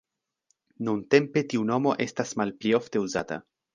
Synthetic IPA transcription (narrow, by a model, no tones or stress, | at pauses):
nunte̞mpe̞tiuno̞mo̞ʔe̞stasmalplio̞fte̞uzata̰